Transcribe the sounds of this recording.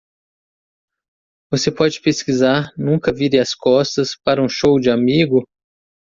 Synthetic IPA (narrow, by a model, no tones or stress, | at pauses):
vosepɔd͡ʒɪpeskizaɾnũkɐviɾẽɐskɔst̪ɐspaɾɐũʃowd͡ʒɪamiɡʊ